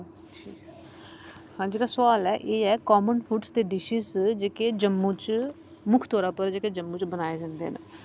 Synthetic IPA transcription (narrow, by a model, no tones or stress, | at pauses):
ʈʰiː | hãːd͡ʒeːɽaːsʊaːlɛːʔeːɛːkɔːmənpʰuʈsd̪eːɖɪʃɪzd͡ʒeːkeːd͡ʒəmːũːt͡ʃ | mʊkʰt̪ɔːɾaːpəɾd͡ʒeːkeːd͡ʒəmːũːt͡ʃbənaːeːd͡ʒãːnd̪ḛɛnaː